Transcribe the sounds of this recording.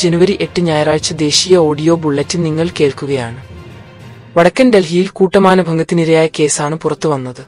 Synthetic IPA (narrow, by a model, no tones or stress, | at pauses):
d͡ʑenuʋɐɾiʔe̞ʈːɨɲaːjɐraːɻt͡ɕːɐd̪e̞ːɕiːjɐo̞ːɽijo̞ːbuɭːɐtːɨniŋːɐɭke̞ːɭkuɣɐjaːɳɨ | ʋɐɽɐkːɐnde̞lɦijilkuːʈːɐmaːnɐbʱɐŋɡɐt̪ːiniɾɐjaːjɐke̞ːsaːɳɨpurɐt̪ːɨʋɐnːɐðɨ